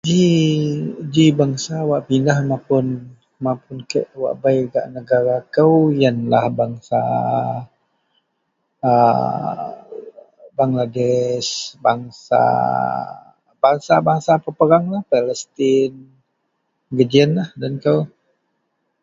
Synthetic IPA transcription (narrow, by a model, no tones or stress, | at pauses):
d͡ʒi | d͡ʒibaŋsawaʔpindahmãpʊn | mapʊnkəʔwa̰ʔbajɡa̰ʔnəɡaɾakəwjənlahbaŋsa̰ | ə | baŋladɛsbaŋsa̰ | b̥aŋsabaŋsapəpəɾaŋlahpaləst̪ɪn | ɡəd͡ʒiənlahdankəw